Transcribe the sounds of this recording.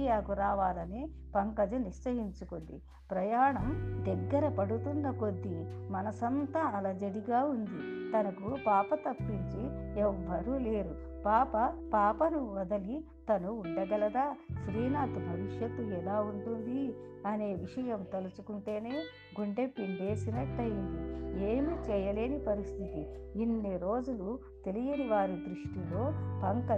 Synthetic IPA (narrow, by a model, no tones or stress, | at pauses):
jaːkuɾaːʋaːlɐni | pɐŋkɐd͡ʒɐniʂsɐɦiɲt͡ʃukuɳɖḭ | pɾɐjaːɳɐmd̪ɛɡːɐɾɐpɐɽut̪unːɐko̞d̪ːimɐnɐsɐnt̪ɐɐlɐd͡ʒɐɽiɡaːund̪it̪ɐnɐkupaːpɐt̪ɐpːiɲt͡ʃiɛʋːɐɾuːleːɾu | paːpɐpaːpɐnuʋɐd̪ɐli | t̪ɐnuːɳɖɐɡɐlɐd̪aːʃɾiːnaːt̪ubʱɐʋiʂjɐt̪ːuɛlaːuɳʈund̪iɐne̞ːʋiʂɐjɐmt̪ɐlut͡ʃukuɳʈe̞ːne̞ː | ɡuɳɖepimbe̞ːsinɐʈːɐjind̪ie̞ːmit͡ʃɛjɐle̞ːnipɐɾist̪ʰit̪iinːiɾo̞ːd͡ʒulu | t̪e̞lijɐniʋaːɾid̪ɾiʂʈilo̞ːpɐŋkɐ